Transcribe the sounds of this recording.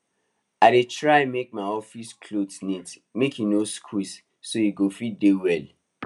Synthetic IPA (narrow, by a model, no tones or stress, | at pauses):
adetɹaɛ̃mek̚maɔfiskʰlodsnitmekʰjunoskʰwis | sojiɡofidewɛl